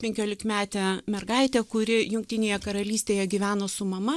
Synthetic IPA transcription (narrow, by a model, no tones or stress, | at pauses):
pʲɛŋʲkʲoːlʲɪkmʲæːt̪ʲɛːmʲɛrɡɐɪt̪ʲɛːkʊɾʲɪjʊŋʲk̚t̪ʲɪnʲeːjɛkɐɾɐlʲiːsʲt̪ʲeːjɛɡʲiʋʲæːnoːsʊmɐmɐ